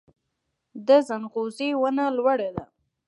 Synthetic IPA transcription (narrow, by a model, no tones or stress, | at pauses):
d̪əzanɣozewənalwaɽad̪a̰